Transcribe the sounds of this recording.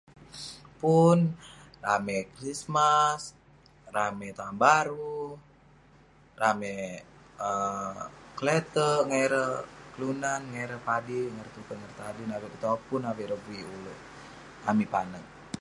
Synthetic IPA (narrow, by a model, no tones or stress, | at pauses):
punramɛkrismas | ramɛt̪ambaɾu | ramɛ | ə | kəlɛt̪əŋaɛɾəkəlunanŋaɛɾəpadiŋəɾt̪upəŋərt̪adinawɛkut̪apunawɛɾəbuiulə | amipanək̚